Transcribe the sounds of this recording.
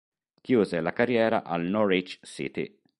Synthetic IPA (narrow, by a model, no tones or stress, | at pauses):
kjuːzelakarjɛːɾa̰ʔalnɔɾit͡ʃsḭt̪ḭ